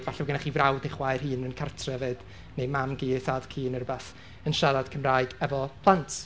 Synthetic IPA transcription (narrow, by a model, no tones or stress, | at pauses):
vaɬɛvɡənaχiːvrawdɪχwaɨrhɨːnənkʰartʰrɛvɨd̥ | nejmamɡiːθadkʰiːnərəbɛθ | ənʃaðad̥kʰəmraːɨɡ̥ɛvɔpʰlˠantʰ